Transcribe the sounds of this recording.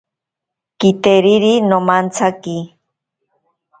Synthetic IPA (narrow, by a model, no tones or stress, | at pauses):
kit̪eɾiɾinomant͡sʰaki